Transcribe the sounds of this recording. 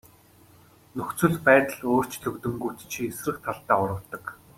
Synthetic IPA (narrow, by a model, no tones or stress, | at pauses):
nɵxt͡sɵ̆ɮpæːt̪ə̆ɮoːr̥t͡ɕt̪ʰɵkt̪ɵ̆ŋɡut̪t͡ɕʰiesrɘ̆kt̪ʰaɮt̪aːʊɾə̆wt̪ːə̆k